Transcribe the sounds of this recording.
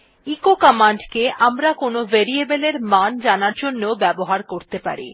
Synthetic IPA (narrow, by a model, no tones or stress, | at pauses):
ikokamaɳɖkeʔamɾakonoveɾiebeleɾmand͡ʑanaɾd͡ʑonːobɛboɦaɾkoɾt̪epa̰ɾḭ